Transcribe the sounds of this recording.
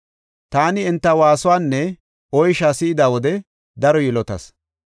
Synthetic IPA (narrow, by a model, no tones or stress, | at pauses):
t̪aːnɪɪnt̪ːɐwaːsʊwaːnːɛ | ɔjʃaːsɪɪd̪aːwɔd̪ɛ | d̪ɐɾɔjɪlɔt̪ɐ̰s